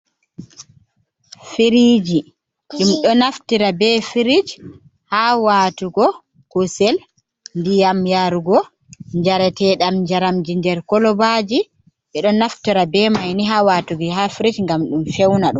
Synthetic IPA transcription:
fiɾiːd͡ʒi | d͡ʒumɗɔnaftiɾabɛfiɾid͡ʒ | hawaːtuɡɔ | kusɛl | ndijamjaɾuɡɔ | ɲd͡ʒaɾɛtɛɗamd͡ʒaɾamd͡ʒindɛɾkɔlɔbad͡ʒi | ɓɛɗɔnaftiɾabɛmajniɦawatuɡiɦafiɾid͡ʒŋɡamɗumfɛwnaɗum

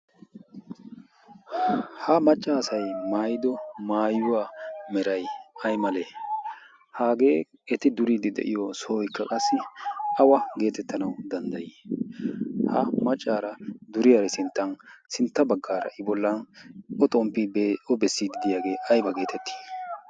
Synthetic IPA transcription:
hɐmɐt͡ʃʼːaːsɐjmaːjɪd̪ɔmaːjʊwamɛɾɐjɐjmɐle | haːɡe̞ː | ɛt̪ɪd̪ʊɾid̪ɪd̪ɛ̰ʔɪjɔsoːjɪkːɐkʼɐsːɪɐwɐɡe̞ːt̪ɛt̪ːɐnɐwd̪ɐnd̪ɐji | hɐ̰mɐt͡ʃʼːaːɾɐd̪ʊɾɪjaɾɛsɪnt̪ːɐnsɪnt̪ːɐbɐɡːaːɾɐ̰ʔɪbɔlːɐnɔt̪ʼɔmpibʔɔbɛsːiɡ̪ɪd̪ɪjaːɡe̞ːʔɐjbɐɡe̞ːt̪ʰɛt̪ːi̥

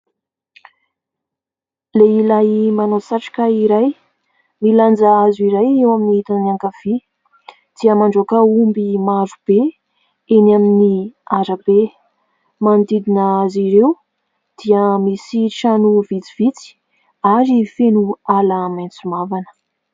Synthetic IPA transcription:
leilajmanosaʈ͡ʂḁkaiɾaj | miland͡zaazuiɾajewaminiit̪anaŋkav̥i | d̪̥iəmaɳɖ͡ʐokaumbimaɾub̥e | enaminiaɾəbe | mand̪id̪inəaziɾew | d̪̥iəmisiʈ͡ʂanuvit͡siv̥it͡si̥ | aɾifenualamajnt͡sumavanə̥

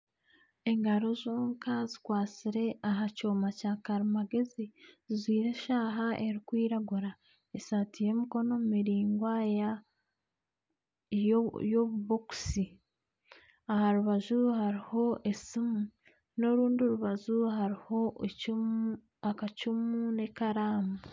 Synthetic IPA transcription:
e̞ŋɡaɾo̞zoːŋkazikwaːt͡siɾe̞ʔaɦacoːmacakaɾimaɡe̞zizizwiːɾe̞ʃaːɦaʔe̞ɾikwiːɾaɡuɾa | esatije̞miko̞no̞mumiɾiːŋɡwaja | jojoβuβoku̥si | ahaɾuβazuhaɾiho̞ʔe̞simu | no̞ɾuːndioɾuβazuhaɾiho̞ | akacumuune̞kaɾaːmu

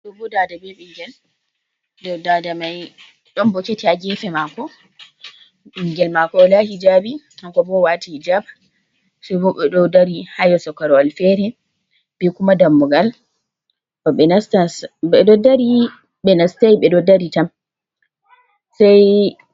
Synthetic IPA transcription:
ɗɔbɔdadabɛɓiŋɡɛl | dɔwdadamaj | ɗɔnbɔketiaɡɛfɛmakɔ | ɓiŋɡɛlmakɔlahid͡ʒabi | aŋkɔbɔwatihid͡ʒaba | sɛbɔɓɛɗɔdaɾihajɔsɔkaɾɔalfɛɾɛ | b̥ɛkumadamːɔɡal | ɛstaɛdɔdaɾi | ɓɛnastajɓɛdɔdaɾitam | saj

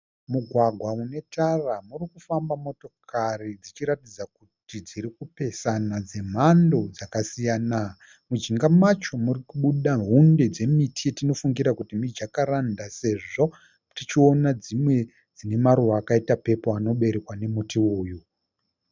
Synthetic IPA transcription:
muɡʱwaɡʱwaune̞taramurikufambamo̞to̞kʰarid͡zit͡ʃiɾatid͡zakutid͡ziɾikupe̞sanad͡ze̞m̤ando̞d͡zakasijaːna | mud͡ʒiŋɡamat͡ʃo̞murikuɓuɗaɦunde̞d͡ze̞mitʰietino̞fuŋɡiɾakutimid͡ʒakaɾandase̞ʐo̞ | tit͡ʃio̞nad͡zimwe̞ | d͡zine̞maɾuwaːkaitape̞poano̞ɓe̞ɾekwane̞mutioːju

